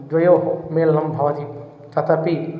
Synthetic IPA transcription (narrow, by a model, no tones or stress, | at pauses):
d͡ʒʋɐjoːɦmeːlːɐmbʱɐʋɐt̪i | t̪ɐt̪ɐpi